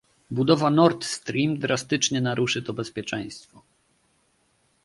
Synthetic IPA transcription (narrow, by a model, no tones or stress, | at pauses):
bud̪ɔvanɔɾt̪st̪ɾʲimd̪ɾast̪ɘt͡ʂɲɛnaɾuʂɘt̪ɔbɛspʲjɛt͡ʂɛ̃j̃st̪fɔ